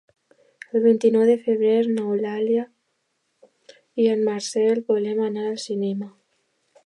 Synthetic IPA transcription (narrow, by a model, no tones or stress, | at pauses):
elβent̪inɔwðefeβɾeɾnawlalja | ianmaɾsɛlpolemanaɾalsinema